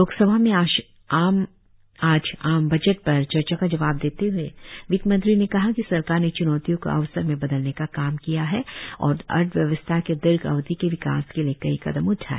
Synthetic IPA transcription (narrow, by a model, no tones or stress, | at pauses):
loːksɐbʱamẽaʃ | aːm | aːd͡ʒaːmbɐd͡ʒəʈpɐɾt͡ʃɐɾt͡ʃakad͡ʒɐʋaːb̚d̪eːt̪eɦʊeʋɪkmə̃nd̪ɾinekɐɦakisɐɾkaːɾnet͡ʃʊnɔːt̪ijõko̰ʔɐ̰ʋsəɾmẽbɐd̪əlnekakaːmkijaɦɛɔ̰ːɾɐ̰ɾʈ̪ʋjɐʋəst̪ʰaked̪ɪɾɡɐ̰ʋd̪ikeʋɪka̰ːskelijekɐɦikɐd̪əmʊʈʰa̰ːɛ